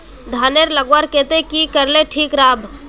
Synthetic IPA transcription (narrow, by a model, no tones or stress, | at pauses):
d̪ʱaːneɾləɡwaɾkẽːt̪ekikəɾleʈʰiːkɾaːbʱ